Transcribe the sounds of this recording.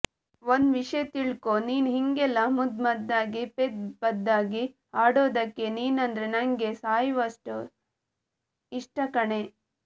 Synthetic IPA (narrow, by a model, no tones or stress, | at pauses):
ʋond̪ʋiʂɐjt̪iɭkoniːnɦiŋɡɛlɐmud̪mɐd̪ːaːɡiped̪̚pɐd̪ːaːɡi | aːɽoːd̪ɐkːe̞niːnɐnd̪ɾenɐŋɡesaːjʋɐʂʈu | iʂʈɐkɐɳe